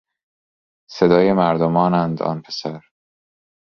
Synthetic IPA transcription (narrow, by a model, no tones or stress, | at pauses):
se̞d̪ɒːjemæɾd̪omɒːnænd̪ɒ̰ːnpʰe̥sæɾ